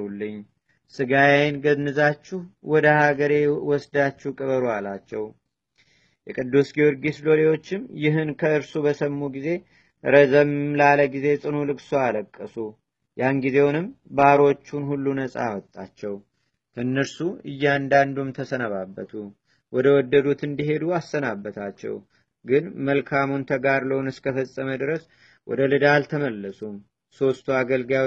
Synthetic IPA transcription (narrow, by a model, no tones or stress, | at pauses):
ulːɨɲː | sɨɡajajnɡənːɨzat͡ʃːuhwɔd̪əhaɡəɾe̞wɔsd̪at͡ʃːuhkʼəβəɾualat͡ʃːɛw | jɛkʼɨd̪ːusɡio̞ɾɡislo̞lewo̞t͡ʃːɪmjɪɦɨnkʰəɨɾsubəsəmːuɡize̞ | ɾəzəmlaləɡize̞sʼɨnulɨkʼsualəkʼːəsu | janɡize̞wnɨmbaɾo̞t͡ʃːunhulːunəsʼa̰wɔt̪ʼːa̰t͡ʃːɛw | t̪ʰɨnːəɾsuɨjːand̪and̪umt̪ʰəsənəβabːət̪ʰu | wɔd̪əwɔd̪ːəd̪ut̪ɨnd̪iɦe̞d̪uasːənabːət̪ʰat͡ʃːɛ̰w | ɡɨnməlkʰamunt̪ʰəɡaɾləwnɨskʰəfəsʼːəməd̪ɨɾəs | wɔ̰d̪əlɨd̪alt̪ʰəməlːəsum | so̞st̪ʰuaɡəlɡja